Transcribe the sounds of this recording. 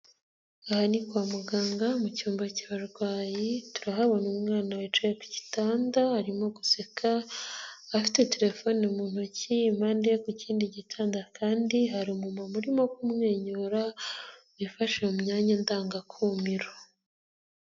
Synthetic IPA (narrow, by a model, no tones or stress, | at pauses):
ahanikwaːmuɡaːŋɡamucuːmbaciβaɾɡwaːjitu̥ɾaɦaβo̞numŋaːnawet͡ʃajeku̥ci̥taːndahaɾimo̞ɡusekʰaː | fi̥te̞te̞ɾe̞fo̞nomuːn̥ucimandekuciːndiɟitʰaːndakʰaːndiɦaɾimumamuɾimo̞kumŋe̞ːɲoɾaβifaʃeumɲaːɲandaːŋɡakʰuːmiɾo